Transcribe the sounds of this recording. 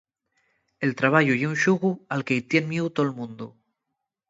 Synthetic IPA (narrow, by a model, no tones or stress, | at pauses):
e̞lt̪ɾaβ̞aʎujeunʃuɣualkeit̪jenmjewt̪olmũnd̪u